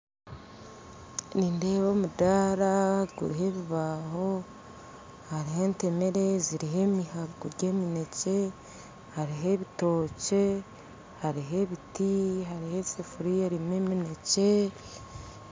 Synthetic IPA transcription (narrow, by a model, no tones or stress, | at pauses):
ninde̞βo̞mudaːɾaɡṵɾiɦe̞βiβaːho̞ | haɾiɦe̞ːnte̞me̞ɾe̞ziɾiɦe̞ːmihaβɡuɾɟe̞ːmine̞ce̞ | haɾiɦe̞βito̞ːce̞ | haɾiɦe̞βitiɦaɾihe̞sefuɾijeɾimemine̞ce̞